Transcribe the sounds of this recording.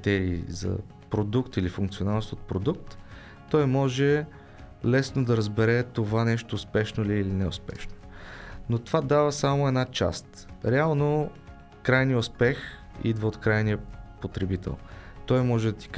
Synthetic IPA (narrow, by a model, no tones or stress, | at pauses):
t̪ɛɾiːzɐ̰ | pɾod̪ukt̪ilifuŋkt̪sionalˠnost̪ot̪̚pɾod̪uk̚t̪ː | ɔjmɔʒɛ | lɛsnod̪ɐɾəzbɛɾɛt̪ovanɛʃt̪oːspɛʃnoliːlinɛʊ̰spɛ̰ʃno̥not̪ovad̪avəsamoɛd̪nat͡ʃa̰st̪ | ɾɛalˠno | kɾajniəʊspɛx | ḭd̪vəot̪kɾajnijəpot̪ɾɛbit̪ʰɛ̰lˠ | t̪ɔjmɔʒɛd̪ɐt̪i̥k